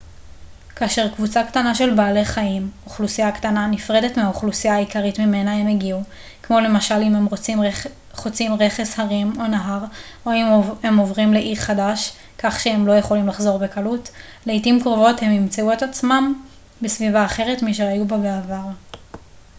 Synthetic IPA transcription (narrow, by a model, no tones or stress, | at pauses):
kaːʃe̞ʁkvut͡saktanaʃe̞lbaːle̞χaimoχlusijaktananifʁe̞de̞tmeaoχlusijaːikaʁitmime̞nae̞meɡiu | kmo̞le̞maʃalimemʁom | χot͡simʁe̞χe̞shaʁimo̞naɦaʁoihemovʁimle̞ʔiʁχadaʃ | kaχʃehemlo̞je̞χo̞limlaχzo̞ʁbe̞kalut | leitimkʁovo̞the̞mːimt͡seue̞tat͡smam | besvivaːχe̞ʁe̞tmiʃ̬eajubabeavaʁ